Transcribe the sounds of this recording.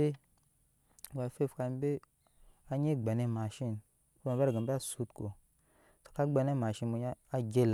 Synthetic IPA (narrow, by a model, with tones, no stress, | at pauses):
e˦˨ | ɡa˨fe˦˨fka˧nbe˦ | a˦ɲe˦ɡ͡ba˨ne˦ma˨ʃi˦˨n | o˦ba˨bɾa˨ɡə˨˦ba˦su˦tko˨ | sḁ˨ka˦ɡ͡be˧ne˦ma˨ʃi˧nmu˧ɲ˦a˦ɡe˦l